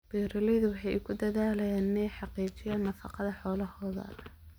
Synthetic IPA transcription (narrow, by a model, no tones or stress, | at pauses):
b̥ɛːɾɐlɛðʊwɑħɑjɪkʰʊd̪ɐðaːlɐjaːnnɛjħɑqiːt͡ʃɪjaːnːɐfɑ̰qɑðɐħɔːlɐhɔːðɐ̰l